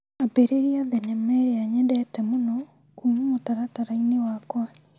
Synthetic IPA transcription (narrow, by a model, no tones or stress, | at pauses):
apeɾeɾiaðɛnɛmɛaɲɛdɛtɛmonɔ | kuːmumotaɾataɾainiwakwa